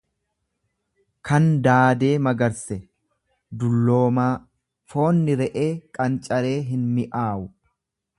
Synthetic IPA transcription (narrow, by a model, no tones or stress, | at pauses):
kʰɐnd̪aːd̪e̞ːmɐɡɐɾsɛ | d̪ʊlːo̞ːmaː | fo̞ːnːɪɾɛʔe̞ːkʼɐnt͡ʃʼɐɾe̞ːɦɪnmɪʔaːʔʊ